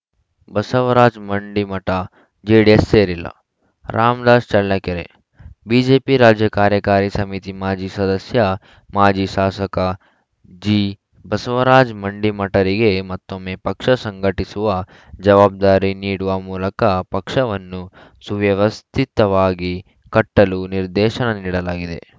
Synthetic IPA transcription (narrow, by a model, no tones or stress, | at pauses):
bɐsɐʋɐɾaːd͡ʒmɐɳɖimɐʈa | d͡ʒeːɖiesːeːɾilɐ̰ | ɾʔaːmd̪aːst͡ʃɐɭːɐkeɾḛ | biːd͡ʒeːpiɾaːd͡ʒjɐkaːɾjɐkaːɾisɐmit̪imaːd͡ʒisɐd̪ɐsjɐ | maːd͡ʒiʃaːsɐka | d͡ʒiː | bɐsɐʋɐɾaːd͡ʒmɐɳɖimɐʈɐɾiɡe̞mɐt̪ːomːeːpɐkʂɐsɐŋɡɐʈisuʋɐ | d͡ʒɐʋaːb̚d̪aːɾiniːɽuʋɐmuːlɐkɐpɐkʂɐʋɐnːusuʋjɐʋɐst̪ʰit̪ɐʋaːɡi | kɐʈːɐluniɾd̪ɛːʃɐnɐniːɽɐlaːɡid̪e̞̰